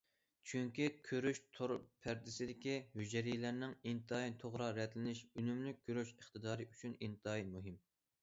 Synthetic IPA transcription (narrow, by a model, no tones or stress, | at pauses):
t͡ʃʰyŋkʲikʲʰøɾyʃt̪ʰoɾpʰæɾd̪ɪsɪd̪ɪkʲihyd͡ʒɾijlæɾnɪŋint̪ʰɨɑit̪ʰoʁɾɑɾɛt̪lɪnɪʃynymlyk̚ʲʰːøɾyʃəχt̪ɨd̪ɑːɾɨyt͡ʃʰynint̪ʰɑimuɦɪm